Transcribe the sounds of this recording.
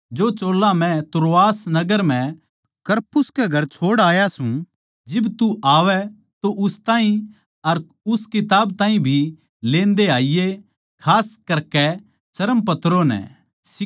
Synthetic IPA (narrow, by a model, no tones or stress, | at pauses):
d͡ʒoːt͡ʃoːlːãmɛ̃t̪ʊɾoaːsnɐɡəɾmɛ̃ | kɐɾpʊskɛɡʱɐɾt͡ʃʰoːɽaːjasũ | d͡ʒɪbt̪uʔaːʋɛ | t̪oʔʊst̪aːɦĩ | ɐɾ | ʊskɪt̪aːbt̪ãːɦĩbʱi | lẽːnd̪eaːije | kʰaːskɐɾkɛ | t͡ʃɐɾəmpɐt̪ɾonɛ̰ | sɪ